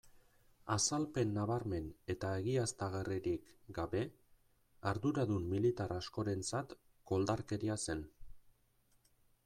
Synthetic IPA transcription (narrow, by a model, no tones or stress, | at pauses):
asalpe̞nːaβaɾme̞ne̞t̪aeɣiast̪aɣeriɾikɡaβe̞ | aɾðuɾaðumːilit̪arasko̞ɾe̞nt͡sat̪ | ko̞ld̪aɾke̞ɾiase̞n